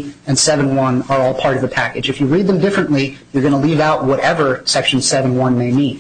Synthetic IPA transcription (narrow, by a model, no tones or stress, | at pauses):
ɨ̃nsɛvɨ̃nwʌ̃nə˞ɔlˠpʰɑɹɾʌvðɨpʰækɨd͡ʒɨfjɨɹid̪̚ðɨ̃mdɪfɹɨ̃nʔlijə˞ɡʌñəlivaʊʔ̚wʌɾɛvə˞sɛkʃn̩sɛvɨ̃n̩wʌ̃nmeɪmĩn